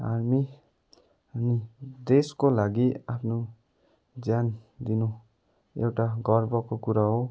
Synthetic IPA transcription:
aɾmi | nid̪eskolaɡiapʰno | d͡zjand̪inu | ḛwʈaɡʌrbʌkokuɾaɦo

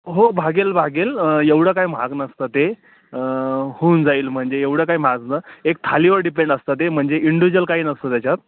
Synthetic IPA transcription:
ɦobʱaɡelbʱaɡeljeʋɽəkajm̤a̰ɡnəst̪ət̪e | hund͡zaiːlm̤əɳd͡zeeʋɽəkajm̤ad͡znəek̚t̪ʰaliʋəɾɖipeɳɖəst̪ət̪em̤əɳd͡zeʔiɳɖuʋid͡ʑəlkaɦiːnəst̪əːt̪jat͡ɕat̪̚

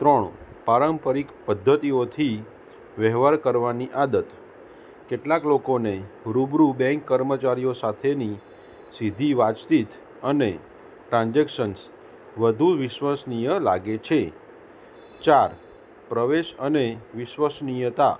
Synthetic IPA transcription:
t̪ɾəɳpaɾəmpəɾikpəd̪ʱːət̪iot̪ʰi | ʋɛɦʋaɾkəɾʋaniʔad̪ət̪ | keʈlaklokoneɾubɾubɛ̃ŋkːəɾmət͡ʃaɾijosat̪ʰeni | sid̪ʱiʋat͡ʃsit̪ | əne | ʈɾãnd͡ʒɛkʃəns | ʋəd̪ʱuʋɪʃʋəsnijəla̰ɡet͡ʃʰe | t͡ʃaɾ | pɾəʋeʃəneʋɪʃʋəsnijət̪a̰

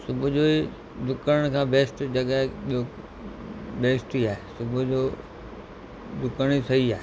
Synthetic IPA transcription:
sʊbʱʊd͡ʑoːi | d̪ʱʊkəɽəɽ̃kʰãːbʱeːsʈd͡ʑɐɡaːɦeɓio | bʱeːsʈiaːɦesʊbʱʊd͡ʑoː | d̪ʊkəɽ̃isɐɦiaːɦe

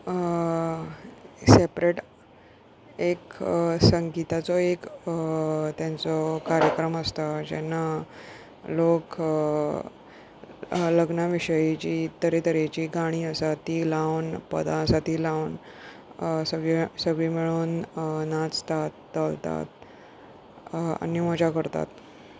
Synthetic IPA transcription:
sepɾeʈ | eksəŋɡit̪at͡sɔek | t̪jãnt͡sɔkaɾjəkɾəməst̪ad͡ʑɛ̰nːa | lok | ləɡnaʋiɕəjit͡ɕiːt̪əɾet̪əɾet͡ɕiːɡaɽ̃iːəsat̪iːlawnpə̰d̪ãəsat̪iːlawn | səɡɭisəɡɭimiɭuːnnat͡st̪at̪ːəlt̪a̰t̪̚ | a̰nimɔd͡ʑakəɾt̪a̰t̪

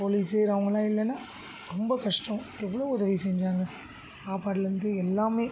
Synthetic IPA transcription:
poːliːseːɾɐʋɐŋɡɐlãːɪlːɛnaː | ɾɔmbɐkɐʂʈɐ̃mɛʋːɐɭoːʊðɐʋisɛɲd͡ʒaːŋɡɐ | saːpaːɽɯɾɾɯnd̪ɯɛlːaːmeː

